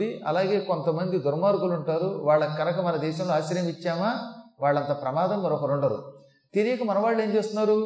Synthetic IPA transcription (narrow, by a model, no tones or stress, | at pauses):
iʔɐ̰laːɡe̞ːko̞nt̪ɐmɐnd̪id̪uɾmaːɾkuluɳʈaːɾuʋaːɭːɐkːɐnɐkɐmɐnɐd̪ɛːʃɐmloaːʃɐɾjɐmit͡ʃːaːmaːʋaːɭːɐnt̪aːpɾɐmaːd̪ɐmːɐɾɔkɐɾoɳɖɐɾṵ | t̪iɾijɐkɐmɐnɐʋaːɭːe̞ːnt͡ʃeːst̪unːaːɾu